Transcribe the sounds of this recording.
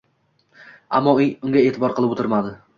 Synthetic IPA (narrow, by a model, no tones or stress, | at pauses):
a̰mːɒʊŋɡʲae̞ːt̪ʰɪbɒɾqʰɨlˠɪpot̪ɪɾmad̪ɪ